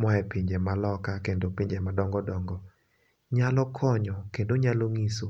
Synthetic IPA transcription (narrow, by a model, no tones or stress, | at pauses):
mɔɛpiɲd͡ʒemalɔkakendopiɲd͡ʒemadɔŋɡɔdɔŋɡɔ | ɲalɔkʰɔɲɔkendoɲaloŋiso